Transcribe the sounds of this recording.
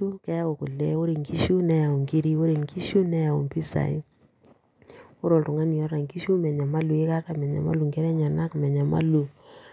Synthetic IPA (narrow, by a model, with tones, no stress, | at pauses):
u˦kɛ˦ja˦wo˨kʊ˨lɛ̰˨o˦ɾi˨ŋki˦ʃu˦nɛ˦ja˨u˨ŋki˦ɾi˦wo˦ɾe˨ŋki˦ʃu˦nɛ˦ja˨ṵ˨mpi˦sa̰˨i˦ | o˦ɾo˨ltʊ˨ŋa˦ni˨ɔ˦ɾa˨ŋki˦ʃu˦mɛ˨ɲa˨ma˦lu˨e˦ka˦ta˦˨mɛ˨ɲa̰˨ma̰˦lu˨ŋkɛ˦ɾɛ˦ɲa˨na˦kmɛ˨ɲa˨ma̰˦lu˨